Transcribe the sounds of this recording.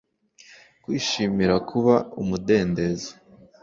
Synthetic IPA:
kwiːʃiːmiɾakʰuβaumude̞ːnde̞ze̥

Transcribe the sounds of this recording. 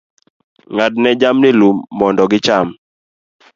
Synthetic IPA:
ŋatnɛd͡ʒamnɪlumːɔndɔɡɪt͡ʃam

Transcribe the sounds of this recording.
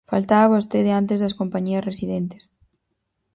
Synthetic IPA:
falt̪aaβost̪eðeãnt̪ezðɐskompaɲiɐsresiðent̪e̥s

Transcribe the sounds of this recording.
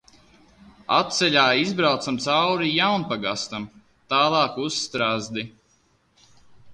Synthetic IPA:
a̰t̪̚t̪sɛʎʲaːizbɾawt̪samt̪sawɾijawnpaɡast̪am | t̪aːlˠɑːkusːt̪ɾazd̪i

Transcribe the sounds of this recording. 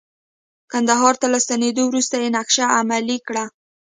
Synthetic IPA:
kand̪aɦɑɾt̪alast̪aned̪owɾust̪ajenakʃaamalikɽa

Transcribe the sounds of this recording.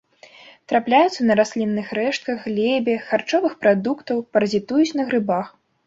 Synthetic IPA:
t̪ɾaplʲajut̪sːɐnɐɾasʲlʲinːɨxɾɛʂt̪̚kɐɣɣlʲɛbʲɛxart͡ʂɔvɨxpɾad̪ukt̪ɐwpɐɾɐzʲit̪ujut͡sʲnɐɣɾɨbax

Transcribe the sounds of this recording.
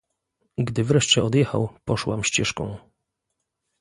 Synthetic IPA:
ɡd̪ɘvɾɛʂt͡ɕɛɔd̪jɛxa̰wpɔʂwamɕt͡ɕɛʂkɔ̰̃w̃

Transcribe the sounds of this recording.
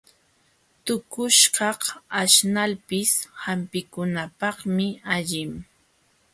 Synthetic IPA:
t̪ʊkʊʃkɑhaʃnalpɪshampɪkʊnapɑχmɪaʎɪm

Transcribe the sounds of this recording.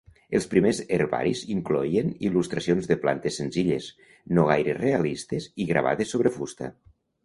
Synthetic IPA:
elˠspɾimezeɾβa̰ɾiziŋkloienilust̪ɾasionzðepla̰nt̪esːenziʎes | noɣ̞ajɾerealist̪eziɣɾa̰β̞a̰ðesːoβɾefust̪a̰

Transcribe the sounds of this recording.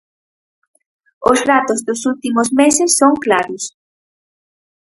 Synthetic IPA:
oslat̪ozdosult̪imosmesesːoŋklaɾos

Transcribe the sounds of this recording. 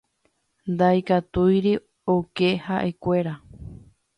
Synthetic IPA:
nd̪ajkat̪ujɾi | oke̞haʔe̞kʷe̞ɾa

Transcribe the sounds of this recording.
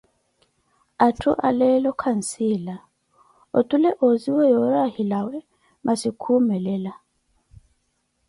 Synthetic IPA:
atʰṵʔa̰lɛlɔkʰan̩sila | otʼulɛʔoziwɛjɔɾahilawɛ | mʔasikʰumɛlɛla

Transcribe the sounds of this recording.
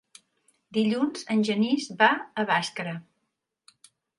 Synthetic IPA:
d̪iʎunzənʲʒənizbaəβaskɾə

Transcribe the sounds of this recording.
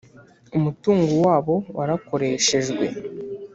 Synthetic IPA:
umutuːŋɡowaːβo̞waɾako̞ɾe̞ːʃe̞ʒɡwḛ

